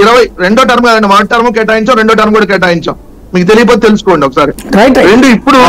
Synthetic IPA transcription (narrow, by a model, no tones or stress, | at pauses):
iɾɐʋɐjɾeɳɖoːʈɐɾmkaːd̪ɐɳɖimaːʈ̚ʈːɐɾmoːk̬ɛːʈːaːjiɲt͡ʃaːmɾe̞ɳɖoːʈɐɾmkuːɽaːk̬ɛːʈ̬aːjiɲt͡ʃa̰ːm | miːkut̪̬elijɐp̬oːt̪et̪elusu̥koːɳɖiɔkɐsaːɾiɾɐjʈɾeɳɖuipːuɽu